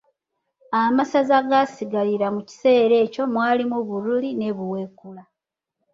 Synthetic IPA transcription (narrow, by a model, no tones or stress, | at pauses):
amasazaɡasiɡaliɾamuci̥se̞ːɾe̞ːco̞mwaːlimuβuɾuline̞βuwe̞kula